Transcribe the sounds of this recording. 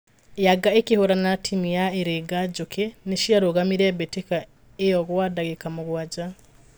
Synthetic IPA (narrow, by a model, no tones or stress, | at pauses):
jaɡaekihuɾanatʰimijaeɾeɡaɟukeneʃiaɾoɣamiɾebeteka | ejoɣwadaɣekamuɣwaɟa